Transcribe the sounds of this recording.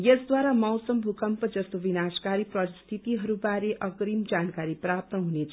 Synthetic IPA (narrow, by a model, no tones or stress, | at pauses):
jesd̪waɾamʌwsʌmbʱukʌmpʌd͡zʌst̪obinaskaɾiprʌst̪ʰit̪iɦʌɾubaɾeʔʌkɾimd͡zankaɾiprap̚t̪ʌɦunet͡sʰ